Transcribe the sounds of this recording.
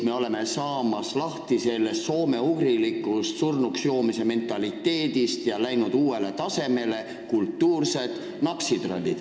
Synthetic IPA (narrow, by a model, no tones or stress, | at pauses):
me̞o̞le̞me̞sɑːmɑslɑht̪ise̞lːe̞sso̞ːme̞uɡrilikːˑust̪surnuksjo̞ːmise̞me̞nt̪ːˑɑlit̪ːˑe̞ːd̪̥ist̪jɑlæjnud̪uːe̞le̞t̪ɑse̞me̞le̞ | kult̪ːuːrse̞d̪̥ | nɑksid̪̥rolʲːid̪̥